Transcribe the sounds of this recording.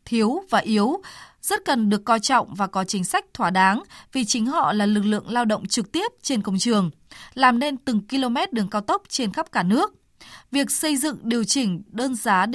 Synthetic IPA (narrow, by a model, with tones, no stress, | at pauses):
t̪ʰi˨˦əwvaː˨˩ʔi˨˦əwzə˦˥t̚kə˨˩nɗɨ˨˩əkːɔ˧jt͡ɕɔ̰˧˨wŋ͡mvaː˨˩kɔ˨˦t͡ɕï˨˦ŋ̟sa˦˥jk̟̚t̪ʰwaː˧˩ɗaː˨˦ŋvi˨˩t͡ɕï˨˦ŋ̟ɦɔ̰˧˨laː˨˩lɨ˨˩k̚lɨ̰˧˨əŋlaː˧wɗə̰˧˨wŋ͡mt͡ɕɨ˨˩k̚t̪i˦˥əp̚t͡ɕe˧nkə˧wŋ͡mt͡ɕɨ˨˩əŋ | laː˨˩mne˧nt̪ɨ˨˩ŋki˧lo˧mɛ˦˥t̚ɗɨ˨˩əŋkːaː˧wt̪ə˦˥wp̚t͡ɕe˧nxə˦˥p̚kaː˧˩nɨ˦˥ək̚ | vi˨˩ək̚sə˧jzɨ̰˧˨ŋɗi˨˩əwt͡ɕï˧˩ŋ̟ɗəː˧nzaː˨˦